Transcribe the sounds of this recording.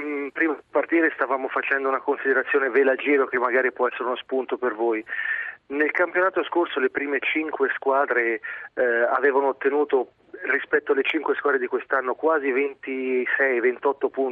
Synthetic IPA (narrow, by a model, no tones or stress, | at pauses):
pɾiːmad̪part̪iːɾest̪avaːmofat͡ʃɛnd̪ounakonsid̪eɾat̪sːjoːnevelad͡ʒiːɾok̟emːaɡaːɾipwɔɛsːeɾeunospunt̪opervoj | nelkampjonaːt̪oskorsolepɾiːmet͡ʃiŋkweskwaːd̪ɾe | a̰veːvanoːt̪ːenuːt̪o | rispɛt̪ːoalːet͡ʃiŋkweskwad̪ɾed̪ikwest̪anːokwaːzivent̪isɛjvent̪ɔt̪ːopun